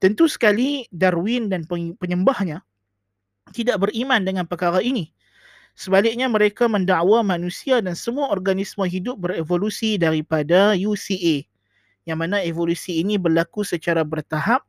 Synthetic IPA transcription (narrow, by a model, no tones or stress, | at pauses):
t̪ənt̪usə̥kalidarwɪndanppəɲəmbahɲa | t̪idaʔbəɾimãndəŋanpəkaɾaini | səbalɪk̚ɲamə̃ɾekamə̃ndaʔwamãnũsiadansəmuaɔrɡanismə̃ɦidʊp̚bəɾevolusidaɾipadajusiʔe | jaŋmanaevolusiːnibərlakusət͡ʃaɾabərt̪aɦap̚